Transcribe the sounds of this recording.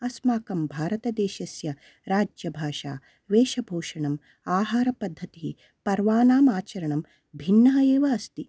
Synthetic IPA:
ɐsmaːkɐmbʱaːɾɐt̪ɐd̪eːʃɐsjɐ | ɾaːd͡ʒjɐbʱaːʂa̰ː | ʋeːʃɐbʱoːʂɐɳɐm | aːɦaːɾɐpɐd̪ʱːɐt̪ii | pɐɾʋaːnaːmaːt͡ʃɐɾɐɳɐm | bʱinːɐɦɐeːʋɐːst̪i

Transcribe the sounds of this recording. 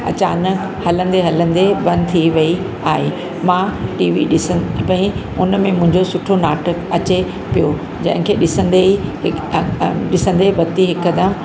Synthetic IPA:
ɐt͡ɕaːnək | hɐlə̃nd̪eɦɐlə̃nd̪ebɐ̃nd̪t̪ʰiʋɐi | aːɦe | mãʈiːʋiɗɪspɐ̃ĩ | ʊnmẽmʊ̃ɦɪ̃ɲd͡ʑosʊʈʰonaːʈʰəkɐt͡ɕe | pijo | d͡ʑɐ̰̃ɦɪ̃kʰeːɗɪsə̃nd̪eiɦ | ɗɪsə̃nd̪eʋɐt̪iɦɪkːəd̪əm

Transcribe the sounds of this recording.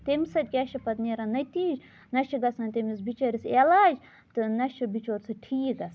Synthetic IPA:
t̪emisɐt̪ʲɡʲɛʃɐpɐt̪neɾanɐt̪iːd͡ʒ | nɐʃiɡɐsɐnt̪emis̬bit͡ʃɐɾiselaːd͡ʒ | t̪ɨnɐʃɐbit͡ʃoːɾʲsɨʈʰiːɡɐs

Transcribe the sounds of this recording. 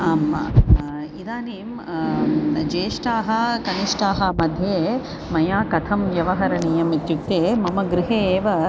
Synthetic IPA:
aːmɐ̰ | id̪aːneːm | d͡ʒeːʂʈaːɦɐkɐniʂʈaːɦɐmɐd̪ʱjeː | mɐjaːkɐt̪ʰɐmjɐʋɐɦɐɾɐnijɐmit̪jukt̪eːmɐmɐɡɾɪɦeːʋɐ

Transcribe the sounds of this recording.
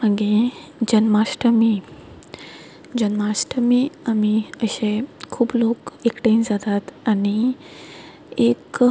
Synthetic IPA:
məɡed͡ʑənmasʈəmi | d͡ʑənmasʈəmiːamiəɕẽkʰuːblokekʈend͡zat̪at̪aɽ̃i | ek

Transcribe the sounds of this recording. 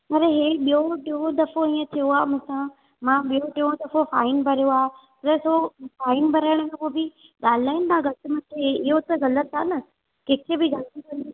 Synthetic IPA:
ɐɾeɦeɓijoʈɪõd̪ɐfoĩːə̃t̪ʰijoaːmʊ̃sã | mãɓijoʈiõd̪ɐfofaːɪnbʱɐɾijoaːe | ɐɾɐsofaːɪnbʱɐɾaːɪɽ̃kʰãːpoːbɪ | ɠaːl̤aːɪnɪt̪ʰãɣɐt̪ɪmɐ̃kʰeɪɦot̪ɐɣɐlət̪aːnɐ | keːkʰebɪɡaːlt̪ikɐnd̪i

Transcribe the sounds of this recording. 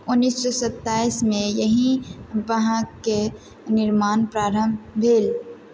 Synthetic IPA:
ʊnːiːsːɔsət̪ːaːismẽjəɦĩbəɦãke | nɪɾmaːnpɾaːɾəmbʱeːl

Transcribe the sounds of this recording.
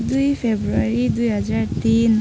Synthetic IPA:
dujpʰebɹuaɹidujɦazaɹtin

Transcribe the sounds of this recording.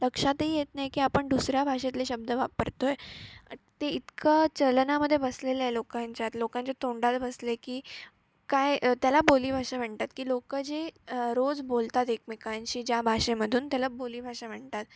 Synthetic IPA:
ləkʂat̪ɦijet̪najkiːapəɳd̪usɾjabʱaʂet̪leɕəb̚d̪ʱəʋapəɾt̪oje | t̪eit̪kʰət͡ɕəlnaməd̪ʱːjebəslelajlokãɲt͡ɕjat̪lokãɲt͡ɕat̪oɳɖat̪bəslekiː | kajt̪jalaboliːbʱaʂaʋ̤eɳt̪at̪kiːlokəd͡ʑeɾod͡zbolt̪at̪ekmikaɲt͡ɕiːd͡ʑjabʱaʂeməd̪ʱuːnt̪jalaboliːbʱaʂaʋ̤eɳt̪at̪̚

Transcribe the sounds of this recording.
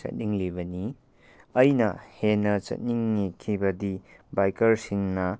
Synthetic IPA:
t͡ʃɐ̰t̚niŋlibɐni | ɐjnɐ̰henɐt͡ʃɐ̰t̚niŋːikʰibɐdibajkɐɾsiŋnɐ

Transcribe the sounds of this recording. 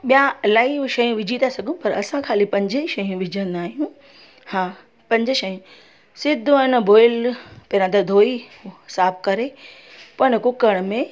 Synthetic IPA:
ɓijalaːiʋʃɐjũʋɪd͡ʑʱit̪asɐɡʱũpɐɾɐ̰sãkʰaːlipɐ̃ɲd͡ʑəiʃɐjũʋɪd͡ʑʱə̃nd̪aːɦijũ | hãː | pɐ̃ɲd͡ʑʃɐjũ | sɪd̪ʱũɐnbʱoːɪlpɐɾãd̪ɐd̪ʱoːisaːbkɐɾepɐɽ̃kʊkəɽ̃mẽ

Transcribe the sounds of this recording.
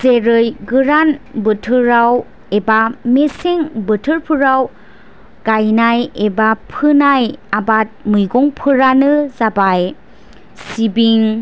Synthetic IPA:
z̥eɾɯjɡɯɾanbɯtʰɯɾaw | ebameseŋbɯtʰɯɾpʰɯɾaw | ɡ̥ajnajebapʰɯnajabat̚mɯjɡɔŋpʰɯɾanɯzabaj | sibiŋ

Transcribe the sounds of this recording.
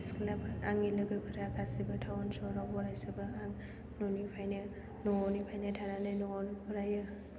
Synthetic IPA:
sklapaŋilɯɡɯpʰaɾakʰasibɐtʰawɔnsɔɾawbɔɾajsibaaŋ | nonipʰajna | noɔnipʰajnatʰaɾanɯjnɔɔnbɔɾaja

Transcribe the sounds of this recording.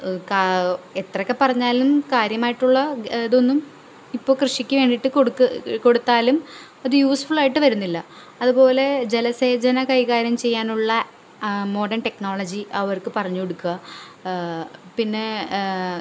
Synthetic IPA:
ket̪rɐkːe̞pɐrɐɲːaːlumkaːɾjɐmaːjiʈːuɭːɐðo̞nːum | ipːo̞ːkrɨʂikʲːɨʋe̞ːɳɖiʈːɨkoɽkːɨko̞ɽut̪ːaːlum | ɐðɨjuːsfuɭaːjiʈːɨʋɐɾunːilːɐ | ɐðubo̞ːle̞d͡ʑe̞lɐseːd͡ʑɐnɐkɐjkaːɾjɐmt͡ɕe̞jːaːnuɭːɐ | mo̞ːɖɐnʈe̞kno̞ːɭɐd͡ʑiɐʋɐrkɨpɐrɐɲːuoɽukːuɣɐ | pinːe̞

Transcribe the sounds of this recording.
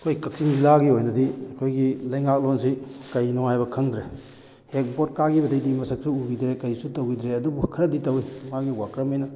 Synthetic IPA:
ɐkʰojkɐk̚siŋzilaɡiojnɐdiɐkʰojɡilɐjŋak̚lonsikɐjnohajbɐkʰɐŋdɾe | hek̚bot̚kaɡibɐdɐjdimɐsɐk̚suuɡidɾekɐjsutɐwɡidɾeɐdubukʰɐɾɐditɐwimaɡiwakɾɐmejnɐ

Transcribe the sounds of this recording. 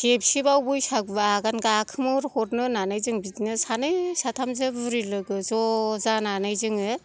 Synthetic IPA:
ɡ̥ep̚sibawbujsak̚baɡanɡakʰɯmɯɾhɔɾnɯnanɯjzɯŋbitnɯsanɯjsatʰamzɯbuɾilɯɡɯzɔzananɯjzɯŋɯ

